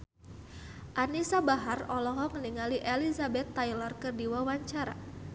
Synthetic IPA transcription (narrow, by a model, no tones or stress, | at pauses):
ʔanisabaɦarɔlɔɦɔŋəniŋaliʔelizabɛt̪ːailarkərdiwawaɲt͡ʃaɾa̰